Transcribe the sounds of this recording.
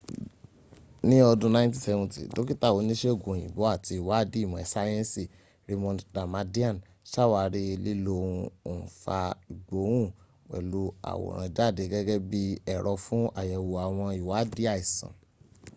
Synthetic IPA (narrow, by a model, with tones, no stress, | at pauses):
nĩ˦ɔ˧dũ˧nã˦t̬ĩ˦sɛ˧vɔ̃˨tḭ˨to˦ki˦ta˦˨wo˨˧˦nĩ˦ʃe˦o˦˨ɡo˨jḭ̃˨bɔ˨˦a˦˨ti˧i˨wa˨˦di˦˨mɔ̃˧ɛ˨˧sa˦jɛ̃˦si˦˨ | ɾe˧mɔ̃˧nda˨ma˧di˦ã˦˨n | ʃa˦˨wa˧ɾi˧li˦lo˧ũ˧õ˨fa̰˧i˨ɡ͡bo˨˦wũ˦˨ | wɛ̰˨lu˧a̰˨wo̰˨ɾ̃ã˧da˦˨de˨˦ɡɛ˦ɡɛ˦bi˦ɛ˦˨ɾɔ˧fũ˦a˦˨jɛ˨wo˨a˨w̃ɔ̃˧i˨wa˨˦di˦a˦˨i˨sã̰˨